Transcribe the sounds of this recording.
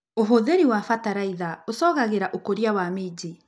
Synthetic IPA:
oɦoðeɾiwafataɾaiðaosɔːɣaɣeɾaʔokoɾiawamed͡ʑi

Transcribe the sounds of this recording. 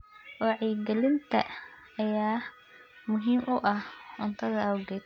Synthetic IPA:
wɔːʕiːɡɛlɪnt̪ʰɐ̰ | ɐjaː | mʊɦiːmʔʊʔɐhʊnt̪ʰɐðɐɐwɡɛːd̪̚

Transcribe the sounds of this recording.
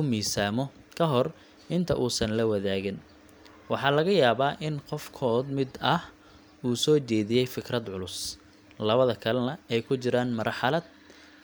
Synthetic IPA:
ʊmiːsaːmɔ | kʰɐɦɔr | ʔɪnt̪ʰɐʔuːsɐnlɐwɐðaːɣɪn | wɑħɑːlɐɣɐjaːβaːʔɪnqɔfkʰɔːd̪mɪd̪ɐh | uːsɔːt͡ʃɛːðɪjɛjfɪkʰrɐd̪ʕʊlʊs | lɐβɐðɐkʰɐlɐnɐɛjkʰʊt͡ʃɪɾaːnmɐrħɑlɐd̪̚

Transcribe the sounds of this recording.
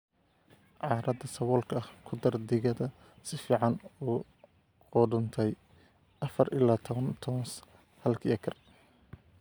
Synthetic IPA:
ʕɑːɾɐd̪ɐsɐwɔːlkʰɐɐhkʰʊd̪ɐrd̪ɪɣɐðɐ | sɪfiːʕɑnuː | ɔːɖʊnt̪ʰɛj | ʔɐfɐrʔɪlaːt̪ʰɔβɐnt̪ʰɔːns | hɐlkʰiɐkʰɐr

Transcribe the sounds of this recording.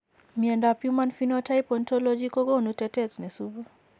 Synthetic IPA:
miandapjumanfinɔtajpɔntɔlɔd͡ʒikɔɡɔnutɛtɛtnɛsubu

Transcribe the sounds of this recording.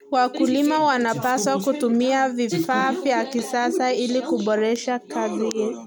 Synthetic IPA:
wakulimawanapaswakutumiavifaːvjakisasailikuɓɔɾɛʃakaziɛ

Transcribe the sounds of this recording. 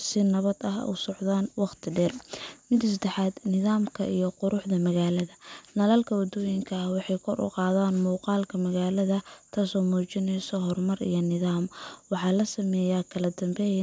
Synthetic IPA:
sɪnɐβɐd̪ɐɦʊ̰sɔʕðaːnwɑqt̪ʰɪɖɛːrmɪd̪ɪs̬d̪ɛħaːd̪nɪðaːmkʰɐ̰ʔḭjɔqʊɾʊħðɐmɐɣaːlɐðɐnɐlɐlkʰɐwɐd̪ɔːjɪŋkʰɐɐhwɑħɑjkʰɔrʊ̰qɑːðaːnmuːqɑːlkʰɐmɐɣaːlɐðɐt̪ʰaːsɔːmɔːt͡ʃɪnɛjsɔɦɔrmɐrḭjɞnɪðaːmwɑħɑːlɐsɐmɛːjakʰɐlɐd̪ɐmbɛ

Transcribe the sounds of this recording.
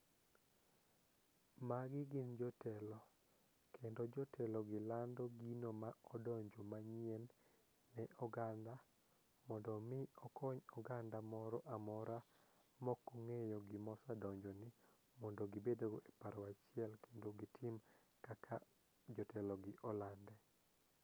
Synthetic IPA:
maɡɪɡɪnd͡ʒɔtɛlɔ | kʰendod͡ʒɔtʰɛlɔɡɪlandɔɡinomaɔdɔɲd͡ʒomaɲɪɛnː | ɛʔɔɡanda | mɔndɔmɪɔkʰɔɲɔɡandamɔɾɔʔamɔɾa | mɔkoŋejɔɡɪmɔsadɔɲd͡ʒɔnɪ | mɔndɔɡɪbedoɡepaɾɔwat͡ʃɪɛlkʰendoɡɪtʰɪm | kakʰa | d͡ʒɔtɛlɔɡɪʔɔlandɛ

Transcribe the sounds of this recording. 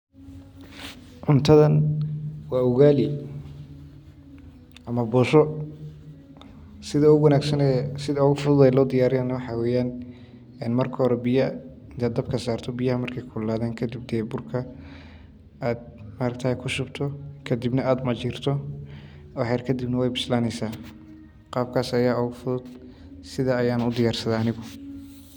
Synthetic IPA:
ʕʊnt̪ʰɐðɐn | wɑːʊɣaːlɪ | ʔɐmɐbɔːʃɔ | sɪðɐʊwɐnaːɡsɐnɛsɪðɐɔɣʊfʊðʊðɛlɔːd̪ɪjaːɾɪjaːnɐwɑħɑwɛːjaːn | ɛːnmɐrkʰɔːɾɛbɪjɐ | ɪnt̪ʰaːd̪ɐb̚kʰɐsaːrt̪ʰɔbɪjɐhɐmɐrkʰɛjkʰʊlaːðɛːnkʰɐd̪ib̚d̪ɛːbʊrkʰɐ | aːd̪̚maːɾɐɡ̚t̪ʰɐhɛjkʰʊʃʊbt̪ʰɔkʰɐd̪ibnɐaːd̪mɐt͡ʃɪːrt̪ʰɔ | ɑħɛrkʰɐd̪ibnɐwɛjbɪslaːnɛjsaː | qɑːb̚kʰaːsɐjaːʊɣʊfʊðʊd̪ | sɪðaɐjaːnʊd̪ɪjaːrsɐðaːnɪɣʊ

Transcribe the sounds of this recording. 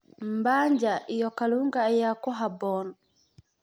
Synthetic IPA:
mbaɲd͡ʒaʔijɔkaluŋɡajakɔɦabɔn

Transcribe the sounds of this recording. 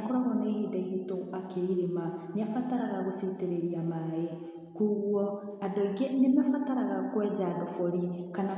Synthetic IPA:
kɔɾɔɣɔnaihidɛhitoakeiɾemaneafataɾaɣaɣositeɾeɾiamaɛ | kuɣwɔ | adɔiɡenemafataɾaɣakwɛd͡ʑadɔfɔɾikana

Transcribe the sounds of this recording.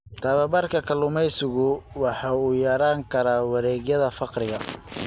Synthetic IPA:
t̪ʰɐβɐbɐrkʰɐkʰɐlʊmɛjsɪɣʊwɑħɑːuːjɐɾaːŋkʰɐɾaːwɑɾɛːɣjɐðɐfɑqrɪɣɐ

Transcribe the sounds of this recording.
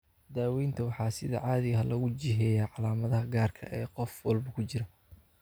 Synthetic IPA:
d̪aːwɛjnt̪ʰɐwɑħɑːsɪðɐ̰ʕɑːðɪɣɐɦɐlɐɣʊt͡ʃɪɦɛːjaːʕɑlaːmɐðɐɦɐɡaːrkʰɐ̰ʔɛːqɔfwɑlbɐkʰʊt͡ʃɪɾɐ

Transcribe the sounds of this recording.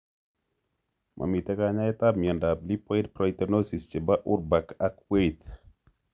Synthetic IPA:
mʔa̰mitɛkaɲaɛtamiɛndaplipɔjt̚pɾɔjtənosist͡ʃəbaʔuɾbakakwejt̪

